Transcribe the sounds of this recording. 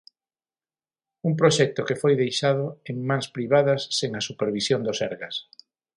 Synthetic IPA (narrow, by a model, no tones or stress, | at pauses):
uŋp̬ɾoʃɛk̚t̪ʊkefojðejʃað̞oeŋmãŋspɾiβ̞aðɐsːeŋasupeɾβ̞isjond̪osɛɾɣas